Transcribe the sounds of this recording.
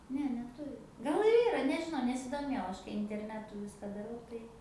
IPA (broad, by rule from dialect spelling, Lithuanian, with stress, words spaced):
ˈnʲɛ nʲɛˈtʊrʲɪ ˈɡɐlˠ ɪr ˈiːrɐ nʲɛʒʲɪˈnɐʊ nʲɛsʲɪdoːˈmʲeːjɛʊ ˈɐʃ ɪnʲtʲɛrʲˈnʲæːtʊ ˈʋʲɪskɐ dɐˈrɐʊ tɐɪ